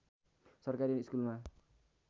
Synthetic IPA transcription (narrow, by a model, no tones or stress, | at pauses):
sʌrkaɾiniskulma